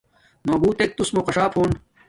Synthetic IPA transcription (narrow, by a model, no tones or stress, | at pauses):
noːbuːt̪ek̚t̪usmoqɐɕaːfhoːn